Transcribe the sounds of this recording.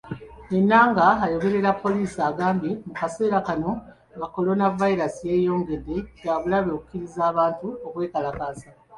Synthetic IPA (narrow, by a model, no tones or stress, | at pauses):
e̞nːaːŋɡaːjo̞βe̞ɾe̞ɾapːo̞liːsiaːɡaːmbimukase̞ːɾakano̞ | βako̞lo̞navaiɾasije̞ːjo̞ːŋɡe̞dːe̞jaβulaβoku̥kiɾizaːβaːntuokwe̞ːkalakaːsa